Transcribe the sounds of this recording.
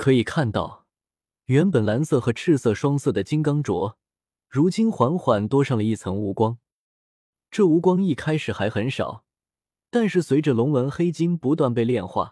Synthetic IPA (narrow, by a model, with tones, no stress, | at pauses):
kʰɤ˧˥i˨˩kʰa˥˧nt̪ɑ˥˩ʊ | ɥɛ˧˥npə˨˩nla˧˥nsɤ˥˩xɤ˧˥ʈ͡ʂʰɻ̩˥˧sɤ˥˩ʂwɑ˥ŋsɤ˥˩d̪ə˩t͡ɕi˥ŋkɑ˥ŋʈ͡ʂwɔ˧˥ | ɻu˧˥t͡ɕi˥nxwa˧˥nxwa˨˩˦nt̪wɔ˥ʂɑ˥˩ŋlə˩i˥˩t͡sʰɤ˧˥ŋu˧˥kwɑ˥ŋ | ʈ͡ʂɤ˥˩u˧˥kwɑ˥ŋi˥˩kʰa˥ɪʂɻ̩˨˩xa˧˥ɪxə˧˥nʂɑ̰˨˩˦ʊ | t̪a˥˧nʂɻ̩˥˩swe˧˥ɪʈ͡ʂə˧lʊ˧˥ŋwə˧˥nxe˥ɪt͡ɕi˥npu˧˥t̪̬wa˥˧npe˥˧ɪljɛ˥˧nxwa̰˥˩